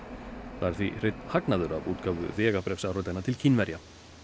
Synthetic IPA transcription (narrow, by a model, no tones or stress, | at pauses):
θaaɾ̥θvḭr̥ejt̪nhaknaðʏɾavuːt̪kaːvʏ̰ðɛːɣapɾɛfsaːwɾrɔt̪anat̪ʰɪlcʰinvɛɾja